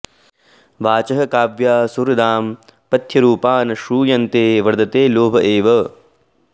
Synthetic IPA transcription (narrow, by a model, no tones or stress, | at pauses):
ʋaːt͡ʃɐɦɐ̆kaːʋjaːsuɾɐd̪aːm | pɐt̪ʰjɐɾuːpaːnɐʃuːjɐnt̪eːʋɐɾd̪ɐt̪eːloːbʱɐʔeːʋɐ